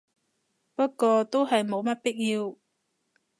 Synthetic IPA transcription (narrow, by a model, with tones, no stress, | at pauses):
pɐ˥tkːɔː˧t̪o˥wɦɐ˨jmo˨˧wmɐ˥t̚pɪ˥k̚jiː˧w